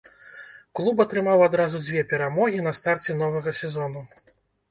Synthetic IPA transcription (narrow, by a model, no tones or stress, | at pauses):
klˠupɐt̪ɾɨmawad̪ɾazud͡zʲvʲɛpʲɛɾamɔɣʲin̪ɐst̪art͡sʲɛn̪ɔvɐɣɐsʲɛzɔnu